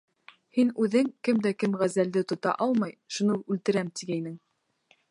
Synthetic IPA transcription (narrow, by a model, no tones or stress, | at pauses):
hinʉðɘŋkɘmd̪ækɘmʁæzæld̪ɘt̪ŏt̪ɑ̰ʔɑlˠmɑjʃunɤʉlt̪ɘ̆ɾæmt̪iɡæinɘŋ